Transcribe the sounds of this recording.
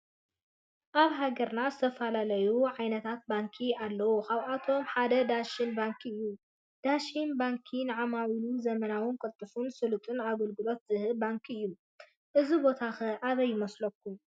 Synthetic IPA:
ʔaβɦaɡɐɾnazɨt̪ʰɐfɐlalɐjuʕajnɐt̪ʰat̪̚baŋkʰialːɐwukaβʔat̪ʰo̞mħad̪ɐd̪aʃinbaŋkʰɨjːu | d̪̥aʃinbaŋkʰinɨʕamawinuzɐmɐnawʊnkʼɐlt̪ʼɨfunsɨlut̪ʼɨnaɡɐlɡɨlo̞t̪̚z̥ɨhɨbaŋkʰɨjːu | ʔɨzibo̞t̪ʰaxɐʔaβɐjːɪmɐslɐkːum

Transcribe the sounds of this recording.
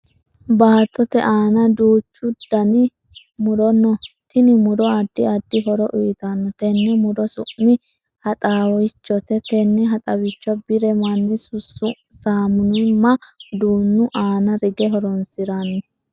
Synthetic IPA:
baːt̪ʼːɔt̪ɛʔaːnɐd̪uːt͡ʃːʊd̪̥ɐnɪ | mʊd̪ɔnɔt̪ɪnɪmʊd̪ɔɐd̪ːɪɐd̪ːɪɦɔɾɔʔʊjt̪anːɔt̪ɛnːɛmʊd̪ɔsʊ̰ʔmɪ | hɐt̪ʼaːwɔt͡ʃːɔt̪ɛt̪ɛnːɛɦɐt̪ʼɐwɪt͡ʃːɔbɪɾɛmɐnːɪsʊsʊ | saːmʊnɪmːɐd̪uːnːʊʔaːnɐɾɪɡɛɦɔɾɔnsɪɾanːɔ

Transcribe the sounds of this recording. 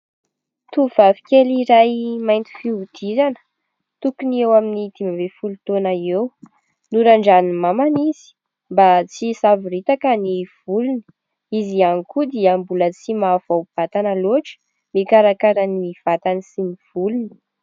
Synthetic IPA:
t̪uv̥avi̥kʲeliɾajmajnt̪i̥fiud̪̥izanə̥ | t̪ukuniewaminid̪̥imabefulut̪onaew | nuɾaɳɖ͡ʐanimamaniz̥i̥ | mbat͡sisaviɾit̪akəniv̥uluni̥ | izianikud̪iambulət͡simav̥awb̥at̪anəloʈ͡ʂə̥ | mikaɾakaɾanimiv̥at̪anisiniv̥uluni̥

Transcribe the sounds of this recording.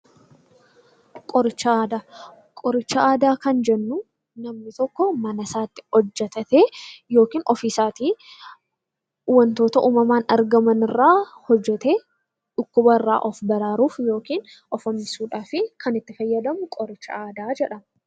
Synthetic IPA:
kʼɔɾɪt͡ʃːɐaːd̪aː | kʼɔɾɪt͡ʃːɐaːd̪aːkɐnd͡ʒɛnːʊ | nɐmnɪt̪ɔkːɔmɐnɐsaːt̪ːɪ̥hɔd͡ʒːɛt̪ɐt̪eːjo̞ːkiːnɔfiːsaːt̪iː | wɐnt̪o̞ːt̪ɐʔuːmɐmaːnɐɾɡɐmɐnɪrːaːhɔd͡ʒːɛt̪eː | ᶑʊkːʊbɐɪrːa̰ːʔɔfbɐɾaːɾuːfjo̞ːkiːn | ɔfɔmːɪsuːᶑaːfɪkʰɐnɪt̪ːɪfɐjːɐd̪ɐmʊkʼɔɾɪt͡ʃːɐ̰aːd̪aːd͡ʒɛᶑɐm

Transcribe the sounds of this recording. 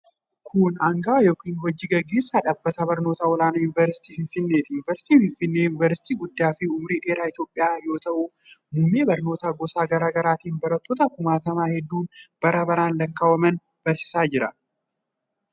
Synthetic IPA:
kʰʊnɐŋɡaːwjo̞ːkiːnhɔd͡ʒːiɡɐɡːe̞ːsːaːᶑɐbːɐt̪abɐɾnoːt̪aːwɔlaːnɐjʊnɪvɛɾsɪ̥t̪iːfɪnfɪnːe̞ːt̪ɪjʊnɪvɛɾsɪ̥t̪iːfɪɱfɪnːe̞ːjʊnɪvɛɾsɪ̥t̪iːɡʊd̪ːaːfɪʊmɾiːᶑe̞ːɾaːɪt̪jo̞ːpʼːɪjaːjo̞ːt̪ɐʔumuːmeːbɐɾno̞ːt̪aːɡɔsaːɡɐɾaːɡɐɾaːt̪iːnbɐɾɐt̪ːoːt̪ɐkʊmaːt̪ɐmaːhɛd̪ːuːnb̥ɐɾɐbɐɾaːnlɐkːaːwɐmɐn | b̥ɐɾsɪ̥saːd͡ʒɪɾɐ

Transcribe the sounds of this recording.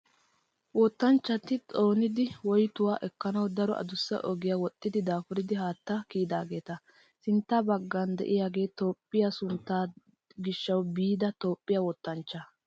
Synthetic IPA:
wɔt̪ːɐnt͡ʃːɐt̪ɪt͡sʼo̞ːnɪd̪ɪwɔjt̪ʊwaːʔɛkːɐnɐwd̪ɐɾɔʔɐ̰d̪ʊsːɛ̰ʔɔɡɪjawɔt̪ʼːɪd̪ɪd̪aːfʊɾɪd̪ɪɦaːt̪ːɐkiːd̪aːɡe̞ːt̪ɐ | sɪnt̪ːɐbɐɡːɐnd̪ɛ̰ʔɪjaːɡe̞ːt̪o̞ːpʼːɪjasʊnt̪ːaː | ɡɪʃːɐwbiːd̪ɐt̪o̞ːpʼːɪjawɔt̪ːɐnt͡ʃːɐ

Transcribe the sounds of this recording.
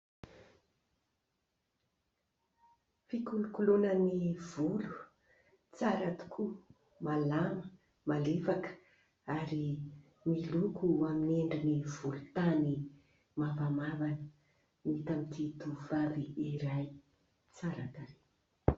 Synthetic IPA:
fikulukulonəniv̥ulu̥ | t͡saɾat̪u̥kʰu | malamə | malefakə̥ | aɾi | milukuamineɳɖ͡ʐiniv̥ulut̪ani | mavamavanə | nit̪amit̪ʰit̪uvaviiɾaj | t͡saɾat̪aɾe

